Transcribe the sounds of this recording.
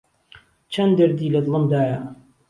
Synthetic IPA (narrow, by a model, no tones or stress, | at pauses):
t͡ʃʰɐnd̪əɾd̪iːlɐd̪lˠɨmd̪aːja